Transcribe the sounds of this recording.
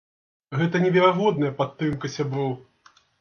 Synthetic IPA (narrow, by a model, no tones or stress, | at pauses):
ɣɛt̪ɐnʲɛvʲɛɾaɣɔd̪nɐjɐpat̪ːɾɨmkɐsʲabɾɔw